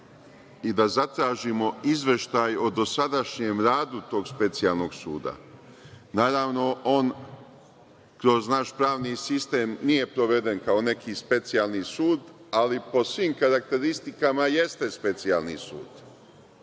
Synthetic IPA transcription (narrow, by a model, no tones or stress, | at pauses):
id̪azat̪ɾaːʒimo̞izʋe̞ʃt̪ajo̞d̪o̞sad̪aʃɲemɾaːd̪ut̪o̞ːɡspe̞t̪sialno̞ɡsṵːd̪a̰ | naːɾaːʋno̞oːn | kɾo̞znaʃpɾaːʋnisist̪e̞ːmnije̞pɾo̞ʋe̞d̪e̞nkao̞ne̞kʰispe̞t̪sialˠnisuːd̪alipo̞sʋiːmkaɾak̚t̪e̞ɾist̪ikamaje̞st̪e̞spe̞t̪sia̰lˠnisṵːd̪̥